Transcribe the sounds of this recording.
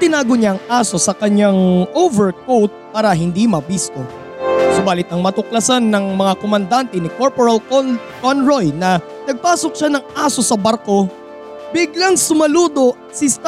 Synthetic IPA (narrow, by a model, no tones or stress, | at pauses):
t̪ɪnaːɡo̞ɲaʔɐŋʔaːso̞sɐkɐɲaŋʔovɛɹkowt̪̚paːɾɐɦɪnd̪imɐbisk̪o̞ | sʊbaːlɪt̪̚ɐŋmɐt̪ʊk̚lɐsanːɐŋmɐŋakomɐnd̪ant̪ɛnɪkoɹpoɾɐl | konɹojnɐ | nɐɡ̚paːso̞k̚ʃanɐŋʔaːso̞sɐbɐɾko̞ | bɪɡlaŋsʊmɐluːd̪o̞ʔɐt̪sɪst̪